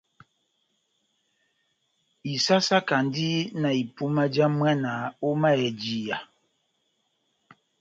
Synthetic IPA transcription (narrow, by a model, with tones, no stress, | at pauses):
i˨sa˦sa˦ka˨n˦di˦na˨i˨pu˦ma˦d͡ʒa˦mwa˦na˨˦o˦ma˦ɛ˨d͡ʒi˨ja˨